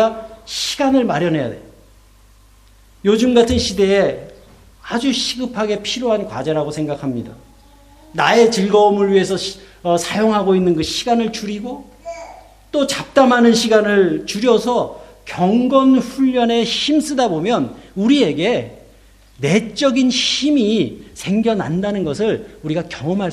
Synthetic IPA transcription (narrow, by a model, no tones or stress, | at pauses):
aɕʰi̥ɡanɯɭmaɾjʌnɦe̞ja̰de | jod͡ʑɯmɡatʰɯnɕʰide̞ː | ad͡ʑuɕʰiɡɯpʰaɡe̞pʰiɾjoɦankwa̰d͡ʑeɾaɡosʰe̞ŋɡakʰamɲida | nae̞t͡ɕiɭɡʌomɯɭɥiɦe̞sʰʌʌsʰajoŋɦaɡoinːɯnɡɯɕʰiɡanɯɭt͡ɕuɾiɡo | t͈ot͡ɕap̚t͈amɦanɯnɕʰiɡanɯɭt͡ɕuɾjʌsʰʌkjʌŋɡʌnɸuʎːʌne̞ɕims͈ɯdabomjʌnuɾie̞ɡe̞ | ne̞t͡ɕ͈ʌɡinɕimisʰe̞ŋɡjʌna̰ndanɯnɡʌsʰɯɭuɾiɡakjʌŋʌmɦa